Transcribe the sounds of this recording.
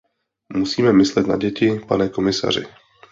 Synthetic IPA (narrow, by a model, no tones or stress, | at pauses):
musiːmɛmɪslɛt̪na̰ɟɛcɪpanɛko̞mɪsa̰r̝ɪ̰